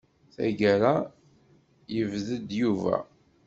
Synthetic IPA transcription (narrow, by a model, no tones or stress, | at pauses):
θæ̰ɡəɾa | jəvðəd̪juvæ̰